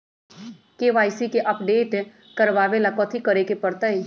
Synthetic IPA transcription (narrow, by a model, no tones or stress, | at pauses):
keːʋaːɪsikeʔɐpɖeːʈ | kəɾʋaːʋelakɔt̪ʰikəɾekepəɽt̪ai